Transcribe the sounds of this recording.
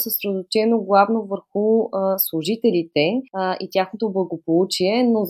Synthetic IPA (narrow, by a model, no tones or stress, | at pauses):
səsɾɛd̪ot͡ʃɛnoɡlˠavnovəɾxuslˠʊʒit̪ɛlʲit̪ɛit̪ʲjaxnot̪oblˠɐɡopolˠut͡ʃiɛnoz